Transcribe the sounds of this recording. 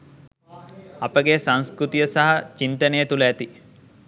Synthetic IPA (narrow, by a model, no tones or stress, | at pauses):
ɐpəɡesɐnskɾut̪ijəsɐɦɐt͡ʃint̪ɐneːt̪ulɐːt̪i